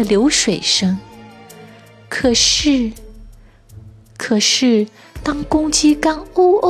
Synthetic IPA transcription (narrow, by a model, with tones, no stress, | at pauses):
ə˨ljo˧˥ʊʂwe˨˩ɪʂɤ˥ŋ | kʰɤ˨˩ʂɻ̩˥˩ | kʰɤ˨˩ʂɻ̩˥˩ | t̪ɑ˥ŋkʊ˥ŋt͡ɕi˥ka˥no˥ʊʔo˥